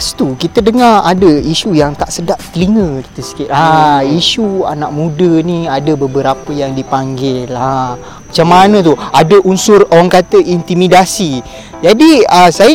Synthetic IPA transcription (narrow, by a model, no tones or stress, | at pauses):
st̪ukit̪ədəŋaradəiʃujaŋt̪aʔsədaʔ̚t̪əliŋə̃ki̥t̪əsə̥kɪt̪aiʃua̰naʔmũdənĩadəbəbəɾapəjaŋdipaŋɡɪla | mat͡ʃamːanə̃t̪uadəʔunsʊrowaŋkat̪əʔint̪imidasi | d͡ʒadiəsajə